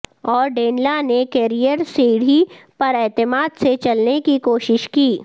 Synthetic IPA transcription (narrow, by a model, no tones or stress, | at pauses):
ɔːɾɖeːnlanekɛːɾijəɾsiːɽipɐɾɛːt̪ɪmaːd̪set͡ʃɐlnekikoːʃɪʃkiː